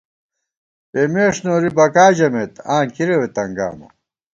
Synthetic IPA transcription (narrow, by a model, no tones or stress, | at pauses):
eːmeːʂnoːɾibɐkaːd͡ʑɐmet̪ãːnkiɾewet̪ɐŋɡa̰ːmɐ̰